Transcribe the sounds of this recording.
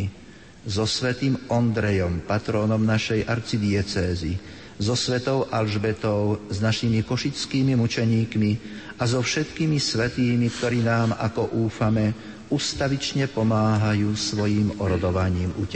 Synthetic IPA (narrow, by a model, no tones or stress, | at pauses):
zɔsʋɛt̪iːmɔnd̪ɾɛjɔmpat̪ɾɔːnɔmnaʃɛjʔaɾt͡sid̪iɛt͡sɛːzi | zɔsʋɛt̪ɔʊʔalʒbɛt̪ɔʊznaʃimikɔʃit͡skiːmimut͡ʃɛɲiːkmi | azɔfʃɛt̪kimisʋɛt̪iːmikt̪ɔɾiːnaːma̰kɔʔuːfamɛ | ust̪aʋit͡ʃɲɛpɔmaːɦajuːsʋɔjiːmɔɾɔd̪ɔʋaɲiːmucɛ